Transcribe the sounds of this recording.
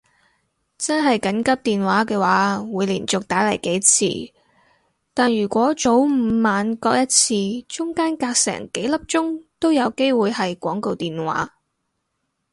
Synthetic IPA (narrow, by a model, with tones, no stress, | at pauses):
t͡sɐ˥nɦɐ˨jkɐ˨˥nkɐ˥p̚t̪iː˨nwaː˨˥kɛː˧waː˨˥wuː˨˧jliː˨˩nt͡sʊ˨k̚t̪aː˨˥lɐ˨˩jke˨˥jt͡sʰḭː˧ | t̪aː˨njyː˨˩kʷɔː˨˥t͡so˨˥wm̩˨˧maː˨nkɔː˧k̚jɐ˥t̚t͡sʰiː˧t͡ʃʊ˥ŋkaː˥nkaː˧k̚sɛ̰ː˨˩ŋke˨˥jlɐ˥p̚t͡ʃʊ˥ŋt̪o˥wjɐ˨˧wke˥jwuː˨jhɐ˨jkʷɔː˨˥ŋko˨wt̪iː˨nwa̰ː˨˥